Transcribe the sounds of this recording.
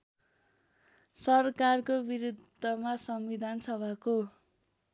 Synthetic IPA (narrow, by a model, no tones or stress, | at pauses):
sʌrkarkobiɾud̪ʱːʌmasʌmbid̪ʱansʌbʱako